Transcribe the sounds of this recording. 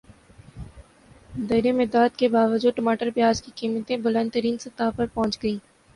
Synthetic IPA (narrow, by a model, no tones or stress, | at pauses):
d̪ɐɾemed̪aːt̪kebaːʋəd͡ʒuːd̪̚ʈɐmaːʈəɾpjaːd͡ʒkikiːmət̪ẽbʊlə̃nd̪t̪əɾiːnsɐt̪aːpɐɾpɔɦt͡ʃɡɐiː